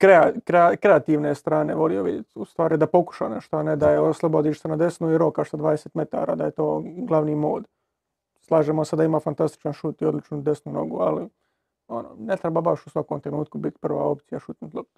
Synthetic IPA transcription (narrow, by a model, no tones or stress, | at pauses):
kɾeakɾeakɾeat̪iʋnest̪ɾaːne̞ʋo̞lijoʋid̪jet̪ust̪ʋaːɾid̪apo̞ku̥ʃa̰neʃt̪oaned̪ajeoslˠobod̪iʃt̪enad̪e̞snuiɾokaʃsad̪ʋaːd̪eseːt̪me̞t̪a̰ːɾa̰ːd̪aje̞t̪oːɡlˠaʋnimo̞ːd̪ | slˠaːʒemosed̪aimaːfant̪ast̪i̥t͡ʃanʃuːt̪iod̪lit͡ʃnud̪e̞snuno̞̰ɡua̰li | o̞nonet̪ɾebabaʃu̥sʋakomt̪ɾenuːt̪̚kubit̪pr̩ʋa̰ːo̞pt̪sijaʃut̪nt̪lˠop̚t̪